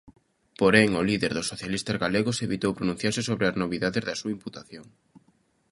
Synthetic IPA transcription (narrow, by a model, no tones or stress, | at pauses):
poɾeŋʊliðeɾðʊsoθjalist̪azɣaleɣoseβit̪owpɾonũn̟θjaɾsɪsoβɾeaznoβiðaðezðɐsuaimput̪aθjoŋ